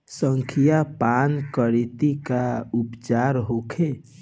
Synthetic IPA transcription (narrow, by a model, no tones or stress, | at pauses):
səŋkʰijapankəɾit̪ikaupt͡ʃaɾɦokʰe